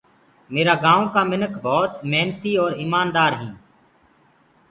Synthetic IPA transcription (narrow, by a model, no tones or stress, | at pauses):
meːɾaːɡãːõːkaːmɪnəkʰbʱɔːt̪meːnt̪iːɔːɾiːmaːnd̪aːɾɦĩː